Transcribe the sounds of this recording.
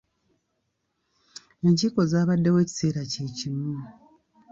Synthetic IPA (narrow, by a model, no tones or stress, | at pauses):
e̞ɲciko̞zaːβadːewe̞ːci̥se̞ːɾace̞ːcimu